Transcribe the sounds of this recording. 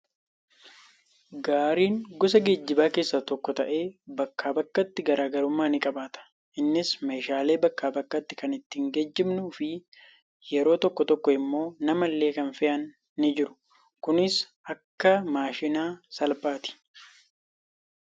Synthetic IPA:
ɡaːɾiːŋɡɔs̬ɐɡeːd͡ʒːɪbaːke̞ːsːɐt̪ɔkːɔt̪ɐ̰ʔe̞ːbɐkːaːbɐkːɐt̪ːɪɡɐɾaːɡɐɾʊmːaːnɪkʼɐbaːt̪ɐ̥ | ʔɪnːɪsme̞ːʃaːle̞ːbɐkːaːbɐkːɐt̪ːɪ̥kɐnɪt̪ːiːŋɡed͡ʒːɪmnʊːfɪ | jɛɾo̞ːt̪ɔkːɔt̪ɔkːɔɪmːo̞ːnɐmɐlːe̞ːkɐnfɪʔɐnː | ɪd͡ʒɪɾʊ̥ | kʊnɪs | ʔɐkːɐmaːʃɪnaːsɐlbaːt̪ɪ̥

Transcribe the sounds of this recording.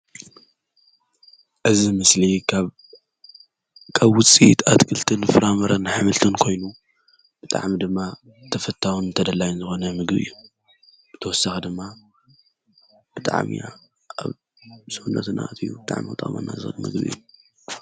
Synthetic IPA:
ʔɨzimɨslikʰaβ | kʰaβwʊt͡sʼit̪ʰat̪kʰɨlt̪ʰɨnfɨɾamɐɾɐnħamɨlt̪ʰɨnkʰo̞jnu | b̥ɨt̪ʼa̰ʕmid̪ɨmːa | t̪ʰɐfɐt̪ʰːawunɨnt̪ʰɐd̪ɐlajɪnzɨxo̞nɐmɨɡbɨ̰jːu | bɨt̪ʰɐwɔsːaxɨd̪ɨmːa | b̥ɨt̪ʼa̰ʕmḭa̰ | a̰β | sɨhunːɐ̰t̪na̰ʔt̪ʰɨjṵbɨt̪ʼa̰ʕmiɨt̪ʼa̰ma̰nːa̰zɨxɨlmɨ̰ɡbɨḭju

